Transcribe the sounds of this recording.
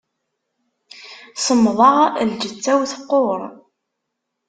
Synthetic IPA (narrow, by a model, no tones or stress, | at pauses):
səmːðˤɑʁld͡ʒət͡sːæwθəqːoɾˤ